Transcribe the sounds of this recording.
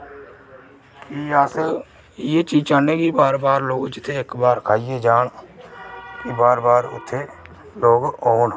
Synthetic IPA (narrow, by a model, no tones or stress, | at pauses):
kiəs | jeːt͡ʃiːt͡ʃaːneːɡiːbaːɾbaːɾloːɡd͡ʒɪt̪ʰːeːɪkbaːɾkʰaːijeːd͡ʒaːɳ | kibaːɾbaːɾʊ̰t̪ʰːeː | loːɡoːn